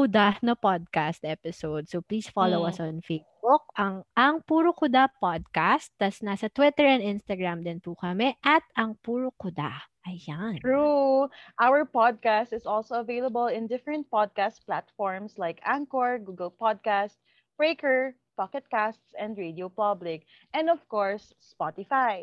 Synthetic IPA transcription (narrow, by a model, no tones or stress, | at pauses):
kʊd̪anɐpod̪̚kast̪̚ʔɛpɪsowd̪̚sopliːsfalowɐsɔnfejsbʊk̚ʔɐŋɐŋpuːɾokʊd̪apod̪̚kast̪ːɐsnasɐt̪wɪt̪ɛɹɛnd̪ʔɪnst̪ɐɡɹamd̪ɪnpukɐmɛʔɐt̪ɐŋpuːɾokʊd̪a̰ʔɐjanɹuʔawəɹpɔd̪̚kast̪ɪsɔlsoɐvejlɐbɐlɪ̃nd̪ɪfɹɛ̃nt̪̚pɔd̪̚kast̪̚plat̪fɔɹmslajkʔãŋkɔɹɡuɡɛlpɔd̪̚kast̪̚ | bɹeɪkɛɹ | pakɛt̪̚kast̪sɛ̃nd̪ɹed̪iopablɪk̚ | ʔɛ̃nd̪ɔv̥kɔɹsːpɔt̪ɪfaj